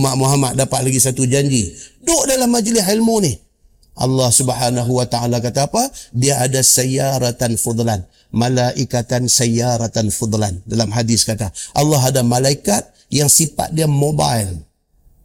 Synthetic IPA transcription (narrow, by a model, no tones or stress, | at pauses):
maʔmuɦamat̪̚dapat̪̚laɡisat̪ud͡ʒaɲd͡ʒidoʔdalamːad͡ʒlɪsilmunɪh | ʔɑ̰lːɑhsubhanaɦuwat̪aalakat̪aːpadiaʔadasajaɾat̪anfɔd̪ˤlan | malaʔikat̪ansajaɾat̪anfɔd̪ˤlandalamɦadɪskat̪aʔɑlːɑɦadamalaikat̪̚ | jaŋsipa̰t̪̚diamobajl